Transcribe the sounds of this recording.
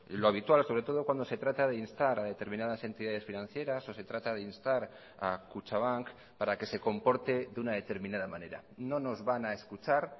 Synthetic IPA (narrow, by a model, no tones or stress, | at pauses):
loaβ̞it̪walso̞β̞ɾe̞t̪o̞ð̞okwand̪ose̞t̪ɾat̪að̞einst̪aɾaðe̞t̪e̞ɾmĩnaðase̞nt̪iðað̞e̞sfinãnθje̞ɾaso̞se̞t̪ɾat̪að̞einst̪aɾ | akut͡ʃaβ̞aŋk | paɾake̞se̞ko̞mpo̞ɾt̪e̞ðunaðe̞t̪e̞ɾmĩnað̞amane̞ɾa̰no̞no̞zβanaeskut͡ʃaɾ